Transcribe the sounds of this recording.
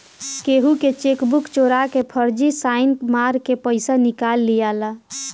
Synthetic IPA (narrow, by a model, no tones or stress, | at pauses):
keɦuket͡ʃekbukt͡ʃoɾakepʰəɾd͡ʒisaɪnmaɾkepəɪsanikalːijala